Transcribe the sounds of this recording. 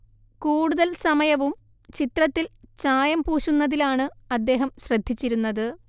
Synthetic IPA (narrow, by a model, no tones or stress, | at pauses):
kuːɽuðɐlsɐmɐjɐʋum | t͡ɕit̪rɐt̪ːilt͡ɕaːjɐmpuːɕunːɐðilaːɳɨɐd̪ːe̞ːɦɐmɕrɐd̪ʱːit͡ɕːiɾunːɐðɨ